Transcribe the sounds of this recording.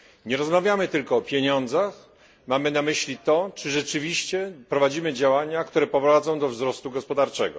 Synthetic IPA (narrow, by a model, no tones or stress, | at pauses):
ɲɛɾɔzmavʲjamɘt̪ɘlkɔːpʲjeɲɔnd̪zax | mamɘnamɘɕlʲit̪ɔt͡ʂɘʐɛt͡ʂɘvʲiɕt͡ɕɛpɾɔvad͡ʑimɘd͡ʑawaɲakt̪uɾɛpɔɾɔvad̪zɔ̃w̃d̪ɔvzɾɔst̪uɡɔspɔd̪aɾt͡ʂɛ̰ɡɔ̰